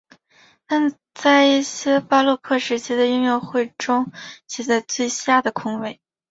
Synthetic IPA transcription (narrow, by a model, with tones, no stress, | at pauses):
na˥˩n | t͡sa˥˧ɪi˥˩ɕjɛ˥pa˥lɔ˥˧kʰɤ˥˩ʂɻ̩˧˥t͡ɕʰi˥d̪ə˨y˥˧ŋjo˥˧ʊxwe˥˩ɪʈ͡ʂʊ˥ŋt͡ɕʰi˧˥t͡sa˥˧ɪt͡swe˥˧ɪɕja˥˩d̪ə˩kʰʊ˥ŋwe˥˩ɪ